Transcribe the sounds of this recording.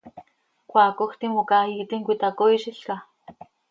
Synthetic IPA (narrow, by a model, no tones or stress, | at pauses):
kʷaːkoxt̪immokait̪iŋkʷit̪akoiʃiɬka